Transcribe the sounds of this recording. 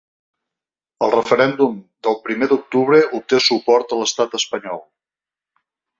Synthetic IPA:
əlˠrəfəɾɛnd̪umd̪əlˠpɾimed̪uk̚t̪uβɾəʔup̚t̪esupɔɾt̪ələst̪at̪əspəɲɔlˠ

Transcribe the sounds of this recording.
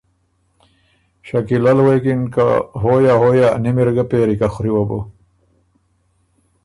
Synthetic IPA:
ɕɐkilɐlwekinka̰ɦoːjaɦojanimiɾɡapeːɾikaxuɾiwɐbo̰

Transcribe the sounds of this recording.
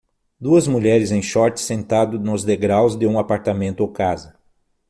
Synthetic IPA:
d̪uɐzmuʎɛɾɪzẽj̃ʃɔɾt͡ʃ̪ɪ̥sẽnt̪ad̪ʊnʊzd̪eɡɾawzd̪ɪũapaɾt̪amẽnt̪ʊowkazɐ

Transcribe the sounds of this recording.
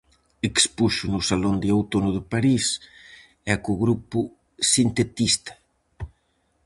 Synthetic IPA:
ekspuʃʊnʊsalond̪ɪawt̪onʊðʊpaɾis | ɛkʊɣɾupʊ | sint̪et̪ist̪ḁ

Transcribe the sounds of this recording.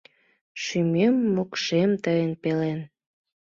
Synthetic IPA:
ʃymemːokʃemt̪əjənpelen

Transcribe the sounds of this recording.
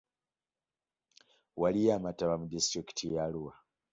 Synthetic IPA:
walijamataβamudistɾiki̥tʰijaluwa

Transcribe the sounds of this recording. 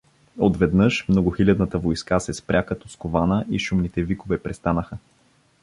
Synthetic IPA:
ot̪vɛd̪nɤʃmnoɡʊxilʲad̪nət̪əvojskasɛspɾʲakɐt̪ɔskovanəʔiʃʊmnit̪ɛvikovɛpɾɛst̪anəxə

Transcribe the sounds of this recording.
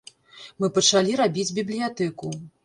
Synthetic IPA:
mɨpɐt͡ʂalʲiɾabʲid͡zʲbʲiblʲijat̪ɛku

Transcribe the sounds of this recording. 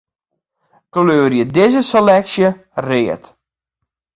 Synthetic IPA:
kløːɾjədɪzəselɛksjə | rɪːət

